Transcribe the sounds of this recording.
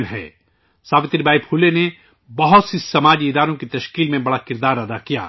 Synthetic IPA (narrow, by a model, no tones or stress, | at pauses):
mɦɛ̰ː | saːʋɪt̪ɾibʱaːipʰuːlene | bɐɦʊt̪sisɐmaːd͡ʒiɪd̪aːɾõkit̪ɐʃkiːlmẽbɐɽakɪɾd̪aːɾɐd̪akija̰ː